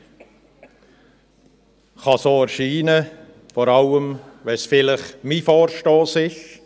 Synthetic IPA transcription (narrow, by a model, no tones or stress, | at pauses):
χɑsoːɛɾʃiːnə | fɔɾɑləmʋɛsfɪlɪχmifoːɾʃtoːsɪʃ